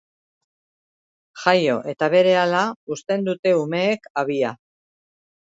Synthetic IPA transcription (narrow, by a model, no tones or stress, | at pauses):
ʝajo̞ʔe̞t̪aβe̞ɾe̞alaust̪e̞nd̪ut̪e̞ume̞ːkaβ̞ia